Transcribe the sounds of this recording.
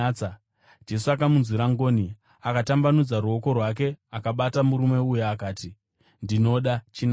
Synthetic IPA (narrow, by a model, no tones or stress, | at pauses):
a | d͡ʒe̞suakamunziɾaŋɡo̞ːni | akatambanud͡zaɾuo̞ko̞rwak̬e̞akaɓatamuɾume̞ujaːkaːti | ndino̞ɗat͡ʃin